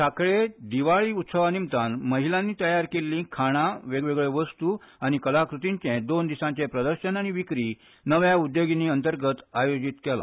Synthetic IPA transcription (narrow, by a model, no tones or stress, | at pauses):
sakɭed̪iʋaɭiːut̪səʋanimt̪anməɦilãnːiːt̪əjaɾkelːĩːkʰaɽ̃aʋeɡʋeɡɭeʋəst̪u | aɽ̃ikəlakɾut̪iɲt͡ɕɛ̃d̪ond̪isãɲt͡ɕepɾəd̪əɾɕənaɽ̃iʋikɾi | nəʋjaud̪joɡiniːənt̪əɾɡət̪ajod͡ʑit̪kɛla̰